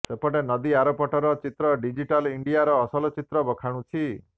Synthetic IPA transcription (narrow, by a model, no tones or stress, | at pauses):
sepɔʈenɔd̪iaɾopɔʈɔɾɔt͡ʃit̪ɾɔɖid͡ʒiʈaliɳɖijaɾɔːsɔlɔt͡ʃit̪ɾɔbɔkʰaɽ̃ũt͡ʃʰi